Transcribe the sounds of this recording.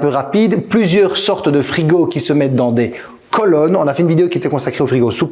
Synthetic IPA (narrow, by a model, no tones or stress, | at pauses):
pøʁapid̪plyzjœʁsɔʁt̪d̪əfχiɡokʲisəmɛt̪̚d̪ɑ̃d̪e | kʰɔlɔnɔ̃nafɛynvid̪eokiet̪ɛkɔ̃sakχeofiɡosu